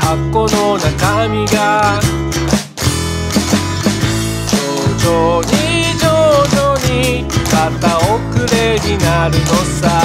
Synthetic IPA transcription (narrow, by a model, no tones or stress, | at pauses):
hakːo̞nonakamʲiɡa | d͡ʑoːd͡ʑoɲid͡ʑoːd͡ʑoɲi | mat̪ːaokɯ̟ɾe̞ɲinaɾɯ̟nosa